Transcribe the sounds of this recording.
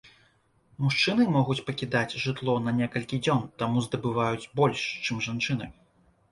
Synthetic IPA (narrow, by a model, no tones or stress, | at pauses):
muʂt͡ʂɨnɨmɔɣut͡sʲpɐkʲid̪at͡sʲʐɨt̪lˠɔnɐnʲɛkɐlʲkʲid͡zʲɔnt̪amuzd̪ɐbɨvajut͡sʲbɔlʲʂt͡ʂɨmʐant͡ʂɨnɨ